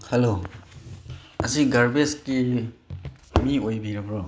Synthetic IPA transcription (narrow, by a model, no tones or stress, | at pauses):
helo | ɐziɡaɾbeski | miojbiɾɐbɾɔ